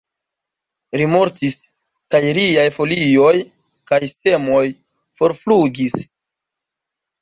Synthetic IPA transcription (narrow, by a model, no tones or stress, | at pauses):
ɾimo̞ɾtis | kajɾiajfo̞lio̞j | kajse̞mo̞j | fo̞ɾfluɡis